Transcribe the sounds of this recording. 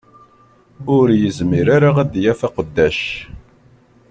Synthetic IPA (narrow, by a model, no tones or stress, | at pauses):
ʊɾjəzmiɾaɾaʁæd̪jæfæqəd̪ːæʃ